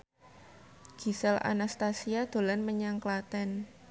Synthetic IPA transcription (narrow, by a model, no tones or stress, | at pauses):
ɡ̥i̤sɛla̰nast̪asiad̪̥o̤lanməɲaŋklat̪ɛn